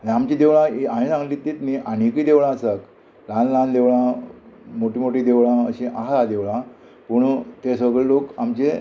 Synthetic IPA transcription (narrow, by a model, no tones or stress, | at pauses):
aɽiamt͡ɕed̪eʋɭãiaɦĩsãŋɡlit̪ːit̪niʔaɽ̃ikid̪eʋɭãəsak | lãnlãnd̪eʋɭã | moʈimoʈiːd̪eʋɭãəɕĩʔaɦaad̪eʋɭã | puɳt̪esʋəɡɭelokamt͡ɕe